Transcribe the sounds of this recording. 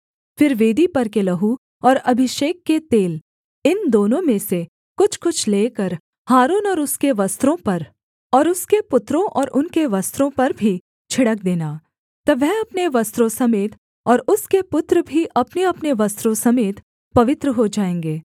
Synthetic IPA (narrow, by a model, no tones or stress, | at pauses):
fɪɾʋeːd̪ipɐɾkelɐɦu | ɔːɾɐbʱɪʃeːkːet̪eːl | ɪnd̪oːnõmẽse | kʊt͡ʃʰkʊt͡ʃʰleːkəɾ | haːɾuːnɔːɾʊskeʋɐst̪ɾõpɐɾ | ɔːɾʊskepʊt̪ɾõʔɔːɾʔʊnkeʋɐst̪ɾõpɐɾbʱi | t͡ʃʰɪɽək̚d̪eːnaː | t̪ɐʋɛɦɐpneʋɐst̪ɾõsɐmeːt̪ | ɔːɾʊskepʊt̪ɾəbʱiʔɐpneɐpneʋɐst̪ɾõsɐmeːt̪ | pɐʋɪt̪ɾəɦod͡ʒaːẽːŋɡeː